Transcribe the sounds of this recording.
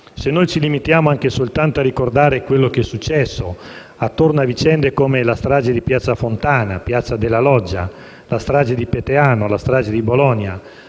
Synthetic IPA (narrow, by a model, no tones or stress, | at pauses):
senːojt͡ʃilimit̪jaːmoaŋkesolt̪ant̪oarːikord̪aːɾekwelːokeɛsːut͡ʃːɛsːo | at̪ːornoavit͡ʃɛnd̪ekoːmelast̪ɾaːd͡ʒed̪ipjat̪sːafont̪aːnapjat̪sːad̪elːalɔd͡ʒːa̰ | last̪ɾaːd͡ʒed̪ipet̪eaːnolast̪ɾaːd͡ʒed̪ibolɔnja